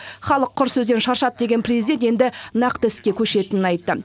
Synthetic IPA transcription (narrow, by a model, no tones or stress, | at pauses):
χɑlˠəqʰːʊɾsɵzd̪enʃɑɾʃɑt̪̚d̪e̞ɡʲe̞nprʲezid̪et̪je̞nd̪ɪnɑqt̪əɪskʲe̞kʲʰɵʃe̞t̪ɪnɪnɑjt̪ːə